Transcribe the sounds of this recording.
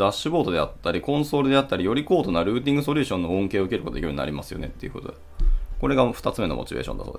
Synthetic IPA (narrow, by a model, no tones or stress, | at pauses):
aɕːɨbo̞ːt̪o̞d̪e̞at̪ːaɾʲikõ̞ɰ̃so̞ːɾɯ̟d̪e̞at̪ːaɾʲijo̞ɾʲiko̞ːt̪o̞naɾɯ̟ːt̪̬ʲĩŋɡɯ̟so̞ɾʲɯ̟ːɕõ̞nːo̞õŋke̞ːoɯ̟keɾɯkot̪oekiɾ̟ɲina̰ɾimasɨ̥jo̞̰ne̞t̪ːeiɯ̟ko̞t̪d̪e | ko̞ɾe̞ɡaɸɯ̟̥t̪at͡sɨme̞no̞̰mo̞̰t͡ɕibḛːɕõ̰nd̪aso̰ːd̪e